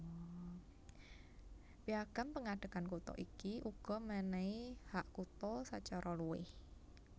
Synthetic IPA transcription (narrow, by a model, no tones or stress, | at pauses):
biaɡ̥ampəŋaɖ̥ə̤kankut̪ɔ̰ʔikiʔuɡ̥ɔ̤mənɛihaʔkut̪ɔsat͡ʃaɾʔɔluɪ̰h